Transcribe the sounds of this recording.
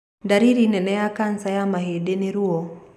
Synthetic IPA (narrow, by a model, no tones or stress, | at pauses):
daɾiɾinɛnɛjakansajamaɦedeneɾuɔ